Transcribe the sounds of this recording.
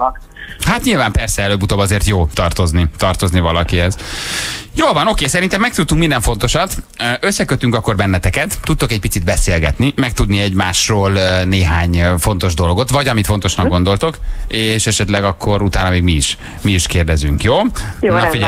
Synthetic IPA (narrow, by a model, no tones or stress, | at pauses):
k | hat̪ɲilvaːmpɛrsɛɛløːbːut̪oːbɒzeːrt̪joːt̪ɒrt̪o̞znit̪ɒrt̪o̞znivɒlɒkiɦɛz | joːlvɒno̞keːsɛɾint̪ɛmːɛk̚t̪ut̪ːuŋkmind̪ɛɱfo̞nt̪o̞ʃɒt̪ːʔøsːɛkøt̪ːyŋkɒkːo̞rbɛnːɛt̪ɛkɛt̪ːut̪ːo̞kɛc̚pit̪sid̪bɛseːlɡɛ̰t̪nimɛk̚t̪ud̪niɛɟmaːʃroːlneːɦaːɲfo̞n̪t̪o̞ʒd̪o̞loɡo̞t̪ʋɒɟɒmit̪fo̞nt̪o̞ʃnɒɡɡo̞nd̪o̞lt̪o̞keːʃɛʃɛt̪lɛɡɒkʰːo̞ɾut̪aːnɒmeːɡmiːʃ | miiʃkeːrd̪ɛzyŋkjoːnfiɛ